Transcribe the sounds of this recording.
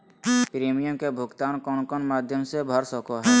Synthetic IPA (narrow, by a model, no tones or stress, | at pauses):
pɾemijəmkebʱʊɡt̪aːnkɔnkɔnmaːd̪ʱjəmsebʱəɾsɔkoɦɛː